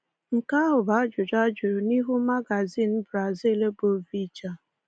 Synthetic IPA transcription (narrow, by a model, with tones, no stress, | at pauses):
ŋ̩˨ka˦ɦʊ˨ba˨˦d͡ʒʊ˨d͡ʒa˦d͡ʒʊ˨ɾʊ˨ni˦ɦu˦ma˦ɡa˨zi˦˨n̩˦bɾa˨zi˦˨le˦bo˨vi˦t͡ʃa˦˨